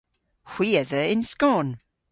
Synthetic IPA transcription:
hw̥iːəðəɪnskoːn

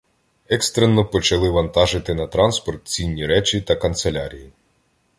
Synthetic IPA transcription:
ɛkst̪ɾenːɔpɔt͡ʃɐlˠɪʋɐnt̪ɑʒɪt̪ɪnɐt̪ɾɑnspɔrt̪̚t͡sʲinʲːiɾɛt͡ʃit̪ɐkɐnt̪selʲaɾʲiji

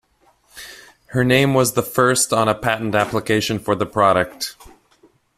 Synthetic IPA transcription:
hə˞nẽɪ̃mwʌzðəfɜ˞stn̩əpʰæʔn̩tæpləkʰeɪʃɨ̃nfə˞ðəpʰɹ̥ɑɾɨk̚t̚

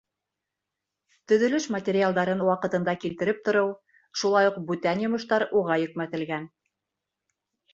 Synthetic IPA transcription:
t̪ɵ̆ðɵ̆lɵʃmɐt̪ʲeɾʲialˠd̪ɑɾɤnwɑqɤ̆t̪ɤ̆nd̪ɑkilt̪ɘ̆ɾɘp̚t̪ŏɾɤw | ʃulˠɑjuq̚bʉt̪ænjŏmŏʃt̪ɑɾuʁɑjɵ̆kmæt̪ɘ̆lɡæn

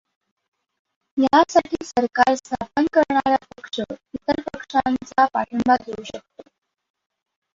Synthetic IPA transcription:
jaasaʈʰiːsəɾkaɾst̪ʰapənkəɾɳaɾapəkʂəit̪əɾpəkʂant͡sapaʈʰəmbaɡʱeuɕək̚t̪o

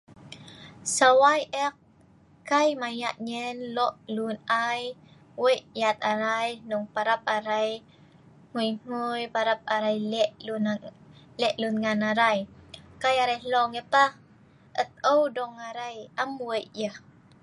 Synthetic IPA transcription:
sawajɛk̚ | kajmajaʔɲənlɔʔlunaj | weʔjat̪̚aɾajnuŋpaɾap̚aɾaj | ŋujŋujpaɾap̚aɾajlɛʔl | lɛʔlunŋanaɾajkajaɾajlɔŋəpah | ət̪̚əwdɔŋaɾajəmwəjʔjəh

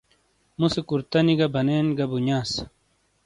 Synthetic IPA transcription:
musekuɾt̪ɐniɡɐbʱɐneːnɡɐbuɲaːs

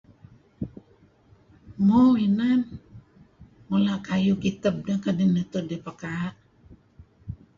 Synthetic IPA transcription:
mowinan | mulaʔkajukit̪əb̚nakadinət̪odepakaʔ

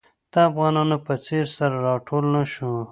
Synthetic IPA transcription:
t̪aːfɣɑːnɑːnopɐt͡seɾsɐɾɾɑːʈʰoːlnɐʃu

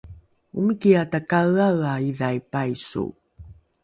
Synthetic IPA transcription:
umikiatakaɣaɰaiðajpajsṵ

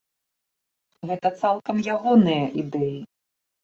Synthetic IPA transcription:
ɣɛt̪ɐt̪salˠkɐmjaɣɔnɨjɐʔid̪ɛji

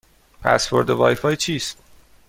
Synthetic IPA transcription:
pʰæ̰sfo̞̰ɾd̪ovɒ̰ːjfɒːjt͡ʃʰiːst̪̚

